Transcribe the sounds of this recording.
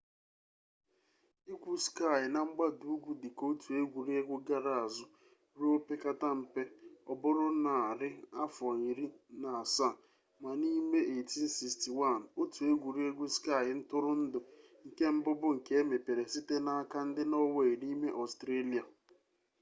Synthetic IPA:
i˦kʷu˦ska˦˨ɪ˨na˦˨ŋ͡m̩˦ɡ͡ba˦du˨u˦ɡʷu˨dɪ˨ko˦tu˨e˦ɡʷu˨ɾi˦e˦ɡʷʊ˦ɡa˦ɾa˨a˨zʊ˦ | ɾu˦o˦pe˦ka˦ta˦m̩˨pe˦ɔ˨bʊ˦ɾʊ˦na˨a˨ɾɪ˦a˦fɔ˨i˨ɾi˦na˨a˨sa˦˨ | ma˨ni˦me˦e˨ti˦n̩˦si˨sti˨wa˦˨n˨o˦tu˨e˦ɡʷu˨ɾi˦e˦ɡʷu˦ska˦˨jɪ˨n̩˦tʊ˦ɾʊ˦n̩˦dʊ˨ | ŋ̩˨ke˦m̩˦bʊ˦bʊ˦ŋ̩˨ke˦me˨pe˨ɾe˨si˦te˦na˦a˦ka˦n̩˦dɪ˦nɔ˦we˦˨i˨ni˦me˦ʔɔ˨stɾe˦li˨a˨

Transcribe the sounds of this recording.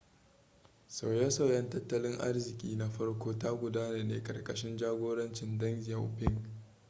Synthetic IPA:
sa˨wjɐ˦sa˨wjɐ˦ntɐ˦tːɐ˦lɪ˦ŋʔa̰˦rzɪ˨kʲʼiː˦na˦ɸɐ˦rkʷoː˦ta˦ɡʷʊ˨daː˦na˨nḛː˦kʼɐ̰˨rkʼɐ˨ʃɪ˦nd͡ʒaː˦ɡʷoː˦ɽɐ˦nt͡ʃɪ˨ndɐ˦ŋzɪ˨a˨wpɪ˦ŋɡ

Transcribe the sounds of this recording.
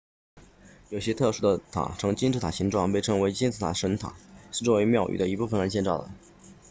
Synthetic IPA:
jo˨˩ʊɕjɛ˥t̪ʰɤ˥˧ʂu˥d̪ə˧t̪ʰa̰˨˩ʈ͡ʂʰɤ˧˥ŋt͡ɕi˥nʈ͡ʂɻ̩˥t̪ʰa̰˨˩ɕi˧˥ŋʈ͡ʂwɑ˥˧ŋpe˥˩ɪʈ͡ʂʰɤ˧˥ŋwe˧˥ɪt͡ɕɛ˥nt͡sʰɹ̩ʰ˧˥˩a̰˨˩ʂə˧˥nt̪ʰa̰˨˩˦ʂɻ̩˥˧ʈ͡ʂwɔ˥˧˩we˧˥ɪmjɑ˥˩ʊʔy̰˨˩d̪ə˦i˧˥pu˥˩fə˨˩nɻə˧˥ɕjɛ˥˧nʈ͡ʂɑ˥˩ʊd̪ə̰˧˩

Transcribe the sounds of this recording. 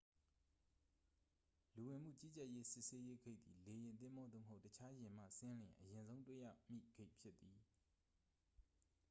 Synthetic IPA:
lu˨wɪ̃˨m̥ṵ˦˨t͡ɕi˦˨t͡ɕɛ˦ʔje˦sɪ˦ʔse˦je˦ɡe˦ɪʔt̪θi˨le˨jɪ̃˨nt̪̬ɪ̃˦˨mɔ˦d̪ðo̰˦˨məɦo˦ʊtət͡ɕʰa˦jɪ̃˨m̥ä̰˦˨sɪ̃˦lɪ̃˨ʔəjɪ̃˨nzõ˦ʊ̃ntwḛ˦˨ja̰˦˨mḭ˦˨ɡ̥e˦ɪʔpʰjɪ˦t̪ːi˨

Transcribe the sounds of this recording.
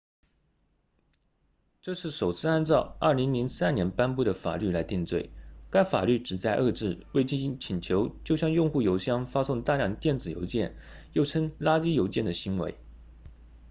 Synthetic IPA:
ʈ͡ʂɤ˥˧ʂɻ̩˥˩ʂo˨˩ʊt͡sʰɹ̩˥˧a˥nt͡sɑ˥˧ʊə˞˥˩li˧˥ŋli˧˥ŋsa˥nnjɛ˧˥npa˥npu˥˩d̪ə˩fa̰˨˩ly˥˩la˧˥ɪt̪i˥˧ŋt͡swe˥˩ɪka˥ɪfa̰˨˩ly˥˩ʈ͡ʂɻ̩˨˩t͡sa˥˧ɪʔɤ˥˧ʈ͡ʂɻ̩˥˩we˥˧ɪt͡ɕi˥˩˥t͡ɕʰi˨˩nt͡ɕʰjo˧˥ʊt͡ɕjo˥˧ʊɕjɑ˥˧ŋjʊ˥˧ŋxu˥˩jo˧˥ʊɕjɑ˥ŋfa˥sʊ˥˧ŋt̪a˥˧ljɑ˥˧ŋt̪jɛ˥˩nt͡sɹ̩˨˩jo̰˧˥ʊt͡ɕjɛ˥˩njo˥˩ʊʈ͡ʂʰə˥ŋla˥t͡ɕi˥jo˧˥ʊt͡ɕjɛ˥˩nd̪ə˩ɕi˧˥ŋwḛ˧˥ɪ

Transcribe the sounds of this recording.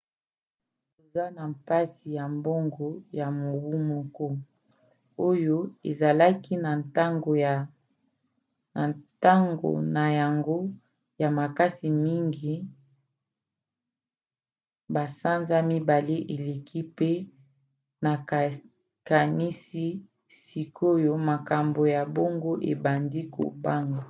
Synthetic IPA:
to˨za˦na˨mpa˦si˨ja˨mbo˦ŋɡo˨ja˨mo˨bu˦mo˦kɔ˦ | o˦jo˦ḛ˨za˨la˦ki˦na˨nta˦ŋɡo˨ | a˨ta˦ŋɡo̰˨na˨ja˨ŋɡo˦ | ja˨ma˨ka˦si˨mi˦ŋɡi˨ | ba˨sa˦nza˦mi˦ba˨le˦ʔe˨le˨kʰi˦pe˦ | na˨ | ka˨ni˦si˦ | si˨ko˦jo˦ma˨ka˨mbo˨ja˨bo˦ŋɡo˦ʔe˨ba˨ndi˦kʰo̰˨ba˦ŋɡa˨

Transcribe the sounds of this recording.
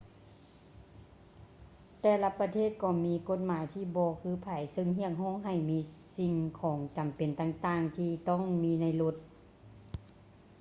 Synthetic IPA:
t̪ɛː˧˩la˧pa˧t̪ʰeː˥˩t̪̚kɔː˧˩miː˧ko˧˥t̪̚maː˨˦jt̪ʰiː˧˩bɔː˧˦kʰɯː˧˥˨pʰa˨˦jsɤ˧˨ŋɦi˧˥˩ək̚ɦɔː˧˥˩ŋɦa˧˨˩jmiː˧˥si˧ŋkʰɔː˨˩˦ŋt͡ɕa˨˩mpe˨˩nt̪aː˧˩ŋt̪aː˧ŋt̪ʰiː˧t̪ɔː˧˥˩ŋmiː˧˥na˧˩jlo˧t̪̚

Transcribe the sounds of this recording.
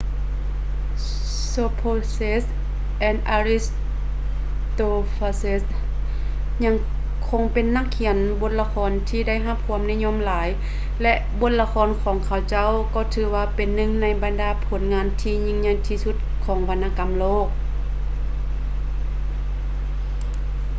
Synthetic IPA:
soː˧pʰoː˧se˧˥s | ʔɛː˧˨nd̪̚ʔaː˧ɾi˧s | t̪oː˧faː˧se˧˥s | ɲa˧˥ŋ | kʰo˧˥ŋpe˨nːa˧˥kʰːi˩˦ənbo˧˦t̪̚la˧kʰɔː˧˥nt̪ʰiː˧da˥˩˨jɦa˧˥p̚kʰu˧ə˨mnɛ˧˥˨ɲo˧˨mlaː˨˦j | lɛ˧ʔbo˧˥t̪̚la˧kʰɔː˧˥nkʰɔː˨˦ŋkʰa˧˩wt͡ɕa˥˩˨wkɔː˧˩t̪ʰɯː˨˦waː˧pe˨nːɯ˧˨ŋna˧˩jba˨ndaː˨˧˦pʰo˩˦nŋaː˧˥˨nt̪ʰiː˧ɲi˧˨ŋɲa˧˩jt̪ʰiː˧su˧˥t̪̚kʰɔː˩˨˦ŋʋa˧nʔaː˧ka˨mloː˥˨˩k̚

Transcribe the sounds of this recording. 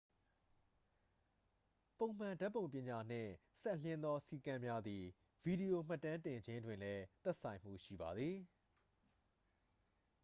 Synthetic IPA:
põ˨ʊ̃m̥ã˨nda˦ʔpːõ˨ʊ̃mpjɪ̃˨ɲa˨n̥ɪ̰̃˦˨ | sɛ˦ʔlɪ̃˦nd̪ɔ˦si˦˨kã˦mja˦d̪ði˨ | vi˨ɾi˨o˨m̥a˦tːã˦ntɪ̃˨ɲd͡ʑɪ̃˦ndwɪ̃˨lɛ˦t̪ɛ˦ʔsã˨ɪ̃m̥ṵ˦˨ʃḭ˦˨ba˨d̪ði˨

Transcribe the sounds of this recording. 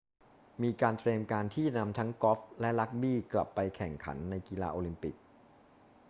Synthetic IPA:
miː˧kaː˧nt̪ɾeː˧mkaː˧nt̪ʰiː˥˩na˧mt̪ʰa˦˥ŋkɔ˦˥p̚lɛ˦˥ʔla˦˥k̚biː˥˩kla̰˨˩pːa˧jkʰɛ˨˩ŋkʰa̰˩˦nːa˧jki˧la̰ː˧ʔoː˧li˧mpi˨˩k̚

